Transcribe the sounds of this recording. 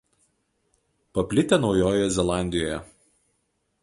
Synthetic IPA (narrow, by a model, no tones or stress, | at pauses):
pɐpʲlʲɪt̪ʲɛnɒʊjoːjɛzʲɛlˠɑˑnʲd̪ʲɪjoːjɛ